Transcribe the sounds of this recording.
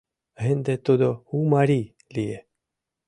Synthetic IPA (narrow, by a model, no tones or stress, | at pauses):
ɦend̪et̪od̪ohumaɾi | lie